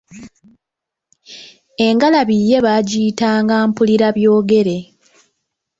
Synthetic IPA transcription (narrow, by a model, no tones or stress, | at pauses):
e̞ŋɡalaβije̞βaɟiːtaːŋɡaːmpuliɾaβjo̞ːɡe̞ɾe̞